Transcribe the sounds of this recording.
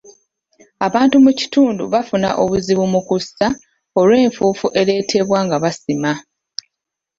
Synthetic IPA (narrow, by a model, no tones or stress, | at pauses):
aβaːntumuci̥tuːndṵβafuna̰ʔo̞βuziβumukusa | o̞lwe̞ːɱfuːfuʔe̞ɾe̞tʰe̞βwaːŋɡaβasima